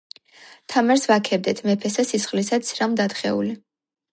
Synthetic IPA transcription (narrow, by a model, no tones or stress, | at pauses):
t̪ʰamaɾsvakʰɛb̚d̪ɛt̪ʰmɛpʰɛsasisχlisat̪sʰɾamd̪at̪χɛ̰ṵli